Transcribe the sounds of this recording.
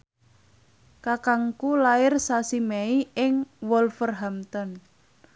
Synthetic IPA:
kakaŋkulaɪrsasimeiɪŋwɔlfərɦamt̪ɔn

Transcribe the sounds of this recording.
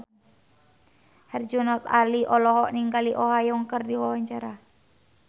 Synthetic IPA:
hɛrd͡ʒunɔt̪aliʔɔlɔɦɔʔniŋɡaliʔɔɦajɔŋkərdiwawaɲt͡ʃaɾa

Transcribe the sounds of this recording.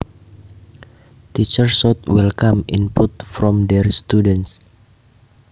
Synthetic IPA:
t̪it͡ʃəɹsɔt̪̚wɛlkamḭnput̪̚fɾɔmdɛɹst̪udɛns

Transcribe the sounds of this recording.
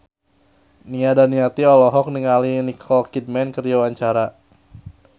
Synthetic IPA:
niadaniat̪iɔlɔɦɔk̚niŋalinikʰɔlkid̚mɛnkəɾd͡ʒawaɲt͡ʃaɾa

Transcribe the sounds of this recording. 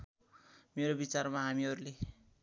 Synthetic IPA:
meɾobit͡sarmaɦamiʌɾule

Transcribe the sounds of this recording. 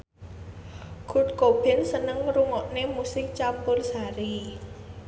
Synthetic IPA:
ɡ̥ṳʈ̚kob̥ɪ̤nsənəŋɾuŋɔʔnemusɪk̚t͡ʃampʊrsaɾi

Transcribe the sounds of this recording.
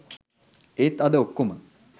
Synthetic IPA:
eːt̪ɐd̪əokːomə

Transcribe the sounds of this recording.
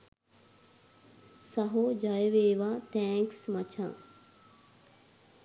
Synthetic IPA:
sɐɦod͡ʒɐjəʋeːʋaːt̪ɛːŋksmɐt͡ʃʰa̰ː

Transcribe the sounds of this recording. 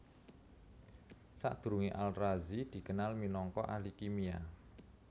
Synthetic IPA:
sa̰ʔd̪̥ṳɾuŋiʔalrazid̪̥i̤kənalminɔŋkɔ̰ʔalikimia̰

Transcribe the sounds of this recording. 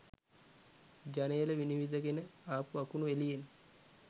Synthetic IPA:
d͡ʒanəjələʋiniʋid̪əɡenəaːpuakunuelijen

